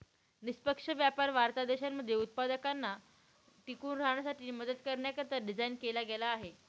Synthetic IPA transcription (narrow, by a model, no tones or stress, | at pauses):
nispəkʂəʋjapaɾʋaɾt̪ad̪eɕanmːəd̪ʱːjeut̪̚pad̪əkanːa | t̪ikuːnɾaɳ̃asaʈiːməd̪əd̪kəɾɳjakəɾt̪əɖid͡zainkelaɡelaːɦe